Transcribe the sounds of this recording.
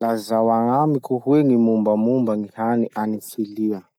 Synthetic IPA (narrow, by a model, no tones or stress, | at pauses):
lazawaŋamikuhuweŋimumbamumbaŋihaniʔanifiliə